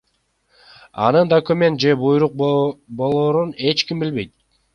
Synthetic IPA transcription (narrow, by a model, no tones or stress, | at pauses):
ɑ̰nɯnd̪okumʲe̞nt̪̚d͡ʒe̞bujɾuq̚bo̞lˠoːɾune̞t͡ʃkimbilβe̞jt̪̚